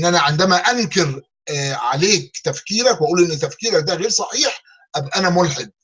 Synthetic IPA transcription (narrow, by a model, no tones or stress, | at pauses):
nːʔænæʕend̪æmæʔæŋkeɾ | ʕa̰leːk̚t̪æfkiːɾækwʔæʔuːlʔenːet̪ːæfkiːɾæk̚d̪æɣeːɾsˤɑħiːħ | ʔæbʔænæmolħed̪̚